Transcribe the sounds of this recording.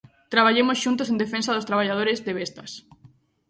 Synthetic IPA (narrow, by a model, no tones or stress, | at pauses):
t̪ɾaβaʎemosʃunt̪os̬ẽnd̪efẽnsaðost̪ɾaβ̞aʎað̞oɾezðeβest̪ɐs